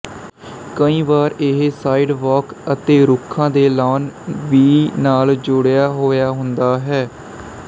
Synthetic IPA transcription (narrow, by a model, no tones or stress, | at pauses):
kəĩːʋaːɾɪɦsaːiɖʋɔːkət̪eːɾʊkʰːãːd̪eːlaːnʋiːnaːld͡ʒʊɽjaːɦoːjaːɦʊnd̪aːɦɛː